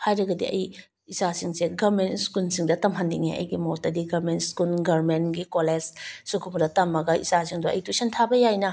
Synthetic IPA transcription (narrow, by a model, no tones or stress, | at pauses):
hajɾɐɡɐdḭɐ̰j | isasiŋseɡɐmentskunsiŋdɐtɐmɦɐndiŋeʔɐ̰jɡimotːɐdiɡɐɾmentskunɡɐɾmenɡikoled͡ʒsukʰumdɐtɐmːɐɡɐḭsasiŋduʔɐ̰jtusʰentʰabɐjajnɐ